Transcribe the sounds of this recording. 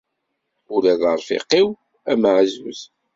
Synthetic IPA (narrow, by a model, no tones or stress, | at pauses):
uɾæðəɾˤfḭqːiw | æmʕzwə̰θ